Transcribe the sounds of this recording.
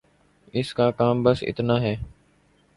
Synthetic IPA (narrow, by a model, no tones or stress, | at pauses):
ɪskaːkaːmbəsɪ̰t̪naːɦɛː